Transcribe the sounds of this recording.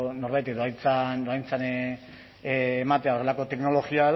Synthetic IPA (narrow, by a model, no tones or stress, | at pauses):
no̞ɾβajt̪̬eðoajt͡sand̪oajnt͡sane | mat̪e̞ao̞re̞lako̞t̪e̞kno̞lo̞ɣiað